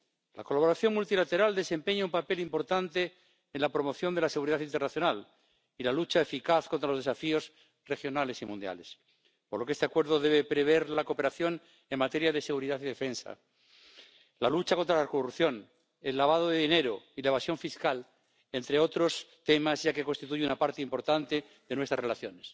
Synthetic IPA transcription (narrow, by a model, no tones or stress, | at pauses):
la̰ko̞laβoɾaθjo̞ŋmult̪ilat̪e̞ɾald̪e̞se̞mpeɲaumpapelimpoɾt̪ant̪e̞ː | nlapɾo̞mo̞θjo̞nd̪e̞laseɣuɾiðaθint̪ernaθjo̞nal | ilalut͡ʃaefikaθkont̪ɾalozðe̞safio̞s | re̞xjo̞nale̞simũnd̪ja̰le̞s | poɾlokeest̪eakwe̞ɾð̞o̞ðe̞βepɾeβ̞e̞ɾlakope̞ɾaθjo̞n | e̞ŋmat̪e̞ɾjaðe̞se̞ɣ̞uɾiðaθiðe̞fe̞nsa̰ | lalut͡ʃako̞nt̪ɾalakoruθjo̞n | elːaβ̞að̞oðeðine̞ɾoilaeβ̞asjo̞ɱfiskal | e̞nt̪ɾeo̞t̪ɾo̞st̪e̞mazʝakeko̞nst̪it̪uʝeunapaɾt̪eimpo̞ɾt̪ant̪e̞ | ðe̞nwest̪ɾarelaθjo̞nes